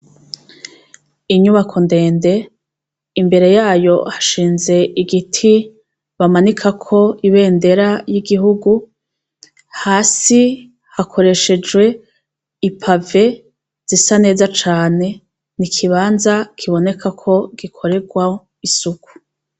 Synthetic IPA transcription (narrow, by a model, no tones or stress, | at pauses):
iɲuβakʰo̞nde̞ːnde̞ | imbe̞ɾe̞jaːjo̞haʃiːnze̞iɡitʰi | βamanikʰakʰo̞iβe̞ːnde̞ɾajiɡiɦuɡu | haːsi | hakʰo̞ɾe̞ʃe̞d͡ʒɡwe̞ | ipʰave̞ | z̥isane̞ːzat͡ʃaːne̞ | nikʰiβaːnzakʰiβo̞ne̞kʰakʰo̞ɡ̥ikʰo̞ɾe̞ɡwa | isuku̥